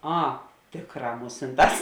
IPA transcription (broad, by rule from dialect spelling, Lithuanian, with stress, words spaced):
ˈɐ ˈtʲeːkˌrɑː ˈmʊsʲɪnˌtɑːs